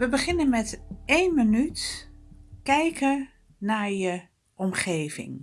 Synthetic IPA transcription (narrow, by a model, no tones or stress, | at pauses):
ʋəbəχɪnənmɛtejnmənyt | kɛjkʰə | naɹjə | ʔɔmχejvɪ̰ŋ